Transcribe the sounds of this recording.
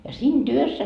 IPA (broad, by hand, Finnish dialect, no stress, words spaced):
jɑ siːn tyøsːæ